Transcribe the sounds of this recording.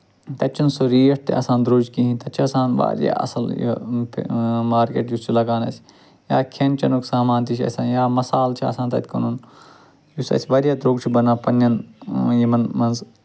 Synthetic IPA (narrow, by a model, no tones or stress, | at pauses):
t̪ɐtʲt͡ʃʰːunsoɾiːjɐʈ̚t̪ḭʔɐ̰sãːnd̪ɾoːd͡ʒkiɦĩnt̪ɐt̪t͡ʃʰiɐsãːnʋa̰ːɾja̰ːʔɐ̰sɐljḭpʰmaːɾkḛːʈjust͡ʃʰilɐɡaːnɐ̰sʲ | jaːkʰent͡ʃɐnuksaːmaːnt̪it͡ʃʰɐ̰sʲaːnjaːmɐsaːlt͡ʃʰiɐ̰sãːnt̪ɐt̪ʰʲkɐnun | jusɐ̰sʲʰiʋɐɾjaːd̪ɾoːɡt͡ʃʰibɐnaːpɐnːɐnjimɐnmɐnz